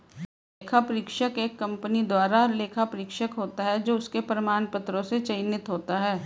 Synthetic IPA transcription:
leːkʰapɾiːkʃəkeːkːɐ̃mpənid̪waːɾaɾleːkʰapɾɪkʃəkɦoːt̪aɦɛd͡ʒoːʊskepɾəmaːnpɐt̪ɾõset͡ʃɐɪnɪt̪ɦoːt̪aɦɛː

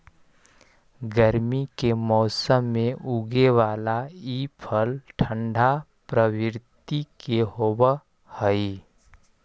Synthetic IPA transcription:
ɡəɾmikemɔːsəmːẽʔuɡeʋaːlaiːpʰəlʈʰə̃ɳɖʱa | pɾəwɪɾt̪ikeɦoːbə | həi

